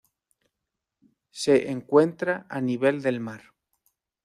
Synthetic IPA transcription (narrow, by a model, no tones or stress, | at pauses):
se̞ʔeŋkwe̞nt̪ɾaʔaniβe̞ld̪e̞lmaɾ